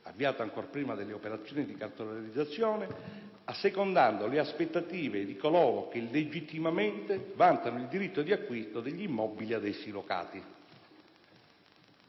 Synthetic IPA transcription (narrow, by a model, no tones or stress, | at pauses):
a̰vːiaːt̪aːŋkorpɾiːmad̪elːeopeɾat̪sːjɔːnid̪ikart̪olalid̪zːat̪sːjɔːnɪ | asːekond̪and̪oleaspet̪ːat̪iːved̪ikolɔːɾok̟elːed͡ʒit̪ːimament̪evant̪anoild̪iɾit̪ːod̪iakːwist̪od̪eʎːimːɔbiliad̪ɛsːiloka̰ːt̪i